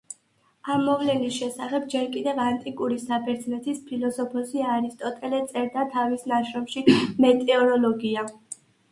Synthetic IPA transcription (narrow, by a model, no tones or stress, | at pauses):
amːɔvlɛnisʃɛsaχɛb̚d͡ʒɛɾkʼid̪ɛvant̪ʼikʼuɾisapʰɛɾt̪sʰnɛt̪ʰispʰilɔsɔpʰɔsiaɾist̪ʼɔt̪ʼɛlɛt̪sʼɛɾd̪at̪ʰavisnaʃɾɔmʃimɛt̪ʼɛɔɾɔlɔɡia